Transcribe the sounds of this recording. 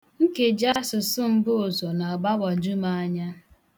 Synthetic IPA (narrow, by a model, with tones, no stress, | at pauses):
ŋ̩˦ke˨d͡ʒa˦sʊ˨sʊ˦m̩˦bʊ˦o˨zo˨na˨a˨ba˦ba˨d͡ʒu˦ma˦a˦ɲa˦